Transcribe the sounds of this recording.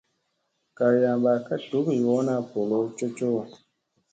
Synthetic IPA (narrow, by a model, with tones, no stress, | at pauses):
ka˨ɾja˨ba˨ka˦ɬu˨˦ki˨wɔ˨˦na˦˨po˨lo˦t͡ʃo˦t͡ʃo˦a˨